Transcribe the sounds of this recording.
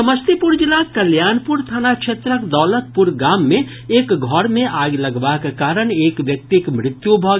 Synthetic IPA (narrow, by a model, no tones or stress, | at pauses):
ɐməst̪ʰipʊɾd͡ʒɪlakɐljaːnpʊɾt̪ʰanakʃʰeːt̪ɾəkd̪ɔːlət̪̚pʊɾɡaːmːẽ | eːkɡʱɔɾmẽʔaːɡlɐɡʋakekaːɾəɳeːkʋjɐk̚t̪ikmɾɪt̪jubʱɔɡ